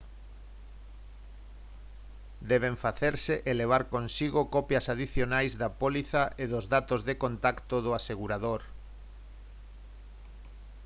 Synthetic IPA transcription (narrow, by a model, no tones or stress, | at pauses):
d̪ɛβ̞eɱfaθeɾseʔeleβ̞aɾkonsiɣokɔpjɐsaðiθjonajzðapoliθaʔeðozðat̪ozðekont̪akt̪oðʊaseɣuɾaðoɾ